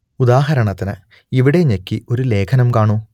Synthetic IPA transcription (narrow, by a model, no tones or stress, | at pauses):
ud̪aːɦɐɾɐɳɐt̪ːinɨ | iʋiɽe̞ɲekʲːio̞ɾule̞ːkʰɐnɐmkaːɳuː